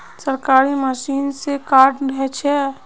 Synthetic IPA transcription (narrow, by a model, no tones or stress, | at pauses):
səɾkaɾiməsiːnsekaɾɖbʱɛt͡ʃʰɛ